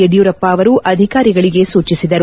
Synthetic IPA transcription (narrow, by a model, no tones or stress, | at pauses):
eɖijuːɾɐpːɐːʋɐɾuʔɐd̪ʱikaːɾiɡɐɭiɡe̞suːt͡ʃisid̪ɐɾu